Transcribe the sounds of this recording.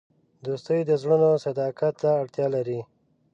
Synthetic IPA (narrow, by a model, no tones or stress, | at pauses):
d̪ost̪əjd̪əzɽunosad̪ɑkat̪ːaːɽt̪jɑlaɾi